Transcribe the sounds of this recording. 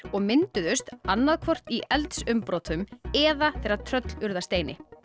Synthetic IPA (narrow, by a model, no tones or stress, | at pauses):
ɔɣmɪnt̪ʏðʏst̪anːaðkʰvɔr̥t̪iʔɛlt̪sʏmpɾɔːt̪ʰʏmɛðaθɛɾat̪ʰɾœt̪lʏɾðast̪eːjnɪ